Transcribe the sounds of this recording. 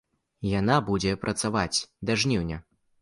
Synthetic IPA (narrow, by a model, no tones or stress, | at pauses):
janabud͡zʲɛpɾʔɐt̪savat͡sʲd̪aʐnʲiwnʲɛ